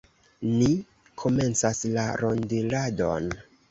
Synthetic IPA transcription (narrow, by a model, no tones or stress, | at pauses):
ni | kʰo̞me̞nt͡saslaɾo̞ndilado̞̰n